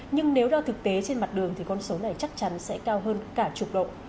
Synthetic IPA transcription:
ɲɨ˧ŋne˨˦wɗɔː˧t̪ʰɨ˨˩k̚t̪e˨˦t͡ɕe˧nma˨˩t̚ɗɨ˨˩əŋt̪ʰi˨˩kɔ˧nso˨˦na˨˩jt͡ɕa˦˥k̚t͡ɕa˨˦nsɛ̰˧˥kaː˧wɦəː˧nkaː˧˩t͡ɕu˨˩k͡p̚ɗo̰˧˨

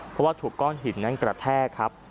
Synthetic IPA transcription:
pʰɔ˦˥waː˥˩t̪ʰuː˨˩kːɔː˥˩nɦi˨˩˦nːa˦˥˩nkɾa˨˧˩t̪ʰɛː˥˩kʰa˦˥p̚

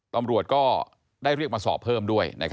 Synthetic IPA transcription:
t̪a˧mɾu˨˩ət̪̚kɔː˥˩ | daː˥˩jɾi˥˩ək̚maː˧sɔ̰ː˨˩pʰːɤː˥˩mdu˥˩əjna̰˧˥˩kʰ

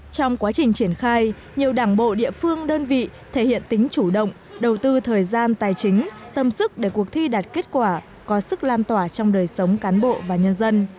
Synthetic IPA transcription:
t͡ɕɔ˧wŋ͡mkwaː˨˦t͡ɕï˨˩ŋ̟t͡ɕi˧˩ənxaː˧j | ɲi˨˩əwɗaː˧˩ŋɓo̰˧˨ɗḭ˧˨əfɨ˧əŋɗəː˧nvḭ˧˨t̪ʰe˧˩hḭ˧˨ənt̪ï˨˦ŋ̟t͡ɕu˧˩ɗə̰˧˨wŋ͡m | ɗə˨˩wt̪ɨ˧t̪ʰəː˨˩jzaː˧nt̪aː˨˩jt͡ɕï˨˦ŋ̟ | t̪ə˨˧˩msɨ˦˥k̚ɗe˧˩ku˨˩ək̚t̪ʰi˧ɗaː˨˩t̚ke˦˥t̚kwaː˧˩ | kɔ˨˦sɨ˦˥k̚laː˧nt̪waː˧˩t͡ɕɔ˧wŋ͡mɗəː˨˩jsə˨˦wŋ͡mkaː˨˦nɓo̰˧˨vaː˨˩ɲə˧nzə˧n

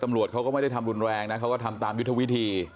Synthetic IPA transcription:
t̪a˧mɾu˨˩ət̪̚ʰa˦˥wkɔː˥˩ma˥˩jda˥˩jt̪ʰa˧mɾu˧nɾɛː˧ŋna˦˥kʰa˦˥wkɔː˥˩t̪ʰa˧mt̪aː˧mju˦˥t̪ʰːa˧wi˦˥t̪ʰiː˧

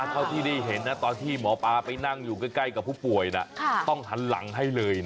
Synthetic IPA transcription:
a˧˩t̪ʰa˥˩wt̪ʰiː˥˩da˥˩jɦe˩˦nːa˦˥t̪ɔː˧nt̪ʰiː˥˩mɔː˩˦paː˧pa˧jna˥˩ŋjuː˨˩ka˥˩jka˥˩jka˨˩pʰːuː˥˩pu˨˩əjna̰˧˩t̪ɔ˥˩ŋt͡ɕʰa˩˦nla̰˩˦ŋɦa˥˩jlɤː˧jn˦

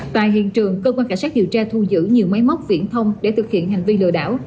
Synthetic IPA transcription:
t̪a̰ː˧˨jɦḭ˧˨ənt͡ɕɨ˨˩əŋkəː˧kwaː˧nkaː˧˩nsaː˦˥ɗi˨˩əwt͡ɕaː˧t̪ʰu˧˩zɨ̰˧˥ɲi˨˩əwma˨˦jmə˦˥t̚vḭ˧˩ənt̪ʰə˧wŋ͡mɗe˧˩t̪ʰɨ˨˩k̚hḭ˧˨ənɦa˨˩ŋ̟vi˧lɨ̰˧˨əɗa̰ː˧˥˩w

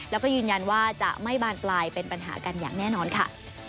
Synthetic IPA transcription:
lɛː˦˥wkɔː˥˩jɯː˧nja˧nwaː˥˩t͡ɕa̰˨˩ʔma˥˩jbaː˥˩nplaː˧jpe˧npa˧nɦa̰ː˩˦ka˧nja̰ː˨˩ŋnɛː˥˩nɔː˧nkʰa˥˩

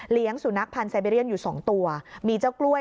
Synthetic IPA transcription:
li˦˥əŋsu˩˦na˦˥k̚pʰa˧nsa˧jbe˧ɾi˥˩ə˨njuː˨˩sɔː˩˦ŋt̪u˧ɐmiː˧t͡ɕa˥˩wklu˥˩ə

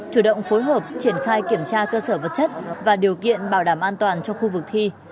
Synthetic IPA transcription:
t͡ɕu˧˩ɗə̰˧˨wŋ͡mfo˨˦jɦəː˨˩p̚t͡ɕi˧˩ənxaː˧jki˧˩əmt͡ɕaː˧kəː˧səː˧˩və˨˩t̚t͡ɕə˦˥t̚vaː˨˩ɗi˨˩əwkḭ˧˨ənɓaː˧˩wɗaː˧˩mʔaː˧nt̪waː˨˩nt͡ɕɔ˧xu˧vɨ˨˩k̚t̪ʰi˧

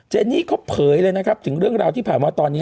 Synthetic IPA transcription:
t͡ɕeː˧nːiː˥˩kʰo˦˥pʰɤː˨˩˦jlɤː˧jna˦˥kʰa˦˥p̚t̪ʰɯ˩˦ŋɾɯ˥˩əŋɾaː˧wt̪ʰiː˥˩pʰaː˨˩nwaː˧t̪ɔː˧nːi˦˥

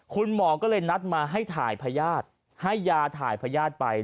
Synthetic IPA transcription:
kʰu˧nmɔː˨˩˦kɔː˥˩lɤː˧jna˦˥t̪̚maː˧ɦa˥˩jt̪ʰa̰ː˩˦jpʰa˧jaː˥˩t̪̚ | ha˥˩jːaː˧t̪ʰaː˩˦jpʰaː˧jaː˥˩t̪̚pa˧j

